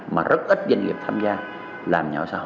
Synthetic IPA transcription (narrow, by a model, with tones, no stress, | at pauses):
ma̰ː˨˩zə˦˥t̚ʔi˦˥t̚zə̰˧˩ŋlḭ˨˩t̪ʰaː˧mzaː˧ | laː˨˩mɲɔ̰˧˦saː˧